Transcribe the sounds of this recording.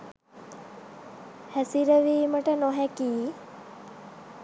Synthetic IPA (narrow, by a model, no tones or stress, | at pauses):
hæsiɾəʋiːməʈənɔɦækiː